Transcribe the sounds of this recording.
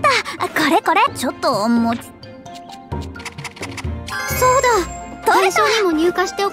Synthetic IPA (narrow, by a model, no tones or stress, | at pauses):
t̪akoɾeko̞ɾe̞t͡ɕot̪ːoːmːot͡sɨ̥ | so̞ːd̪at̪oaɕoːɲimoɲ̟ʲɨːkaɕi̥t̪eo